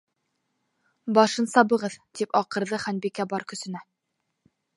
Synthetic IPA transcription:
bɑʃɤnsɑβɤ̆ʁɤðt̪ipɑqɤ̆ɾðɤχænbikæbɒɾkɵ̆sɵ̆næ

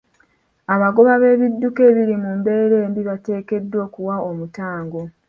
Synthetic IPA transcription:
aβaɡo̞βaβe̞ːβidːuke̞ːβiɾimumbe̞ːɾe̞ːmbiβate̞ːke̞dːwo̞ːkuwaomutaːŋɡo̞

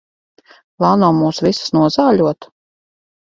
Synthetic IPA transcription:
valˠnawmuːsvisə̥snuɔzaːʎʲuɔt̪

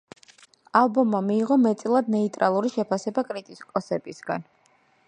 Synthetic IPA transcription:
alˠbɔmːamiːʁɔmɛt̪sʼilˠad̪nɛit̪ʼɾalˠuɾiʃɛpʰasɛbakʼɾit̪ʼikʼɔsɛbisɡa̰n

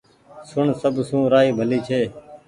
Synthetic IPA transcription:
sʊɳsəbʱsũːɾaːiːbʱəliːt͡ʃʰeː

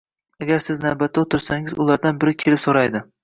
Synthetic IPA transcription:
aɡʲaɾsɪznavbat̪ʰːaot̪ʰɪɾsaŋɪzʊlˠaɾd̪anbɪɾɪkʲʰelɪpsoɾajd̪ɪ

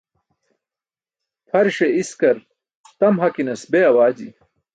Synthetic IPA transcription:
fʰɐɾɕeiskɐɾ | t̪ɐmɦɐkinɐsbeɐwaːd͡ʑḭ

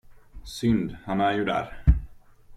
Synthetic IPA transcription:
sʏnd̪hanæɾjɵd̪æ̰ɾ

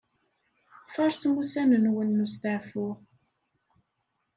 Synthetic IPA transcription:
fɑɾˤsmusænənwənːust̪əʕfʊʁ

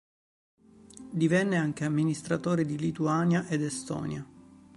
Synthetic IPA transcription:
d̪ivɛnːeaŋk̟eamːinist̪ɾat̪oːɾed̪ilit̪uaːnjaʔed̪est̪ɔ̰ːnja

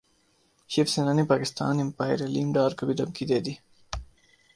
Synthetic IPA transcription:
ɕifsenanipɑːkɪst̪ɑ̰ːnɪmpaːjɾɐlimɖɑːɾkɐbid̪ɐmkid̪ed̪i

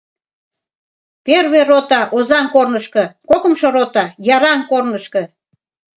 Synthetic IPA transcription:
perβerot̪ɑʔozɑŋkornəʃkɤ̆kokə̆mʃoɾot̪ɑjɑɾɑŋkornəʃkɤ̆

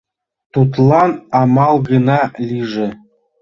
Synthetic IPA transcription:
t̪ut̪lˠɑnɑmɑlˠɡɤ̆nɑlʲiʐɘ̆

